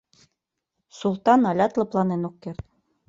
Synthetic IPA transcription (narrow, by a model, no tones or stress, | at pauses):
sulˠt̪ɑnɑlʲɑt̪lˠɤ̆plˠɑnenukːeɾt̪